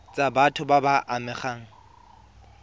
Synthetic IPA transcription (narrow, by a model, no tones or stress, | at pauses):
t͡sʼabatʰʊbabaʔamɪχaːŋ̩